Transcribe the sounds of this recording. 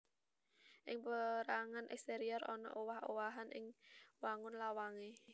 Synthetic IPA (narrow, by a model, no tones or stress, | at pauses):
ʔɪŋpəɾaŋanʔɛ̰kst̪eɾiɔrɔnɔ̰ʔowahowaɦanʔɪ̰ŋwaŋʊnlawaŋe